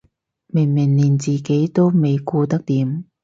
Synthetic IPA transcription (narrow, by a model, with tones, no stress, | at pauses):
mɪ˨˩ŋmɪ˨˩ŋliː˨˩nt͡siː˨ke˨˥jt̪o˥wme˨jkuː˧t̪ɐ˥k̚t̪iː˨˥m